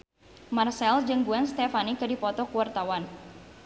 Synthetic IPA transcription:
marsɛld͡ʒɨŋɡuanst̪ɛfanikɨdipɔt̪ɔkuwart̪awan

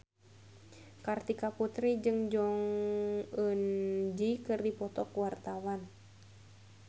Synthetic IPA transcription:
kart̪ikaput̪ɾid͡ʒɨŋd͡ʒɔŋ | ənd͡ʒikɨrdipɔt̪ɔkuwart̪awan

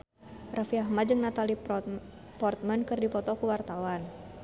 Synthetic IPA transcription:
rafiahmad͡ʒɨŋnat̪ali | pɔrt̪̚mankɨrdipɔt̪ɔkuwart̪awan

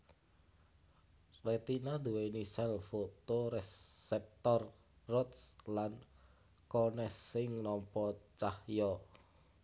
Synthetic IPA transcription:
ret̪inad̪uwenisɛlfot̪oɾesɛp̚t̪ɔr | rɔt̪slan | konɛsːɪŋnɔmpɔt͡ʃahjɔ

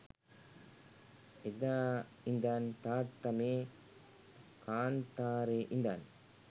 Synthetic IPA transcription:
ed̪aː | ind̪aːnt̪aːɾt̪ɐme | kaːnt̪aːɾeʔind̪aːn

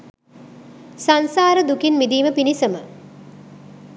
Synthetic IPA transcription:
sansaːɾəd̪ukinmid̪iːməpinisəmə

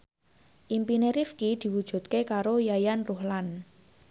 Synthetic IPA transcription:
ʔimpineɾifkid̪̥i̤wud̥ʒ̥ṳt̪̚kekaɾojajanruhlan

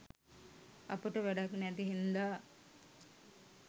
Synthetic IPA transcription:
a̰pəʈəʋæɖaknæt̪iɦind̪aː

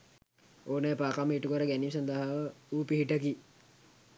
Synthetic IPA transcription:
oːnaːpaːkamːiʈukəɾəɡænims̬and̪əɦaʋəuːpiɦiʈək̬i

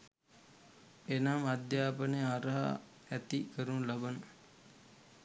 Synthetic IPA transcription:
enamad̪jaːpəneaɾəɦa̰ | æt̪ikəɾunlabɐnə

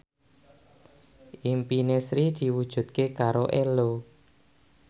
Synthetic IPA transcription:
ʔimpinesɾid̪̥i̤wud̥ʒ̥ṳt̪̚kekaɾoʔelo

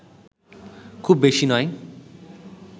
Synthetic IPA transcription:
kʰubːeʃinɔj

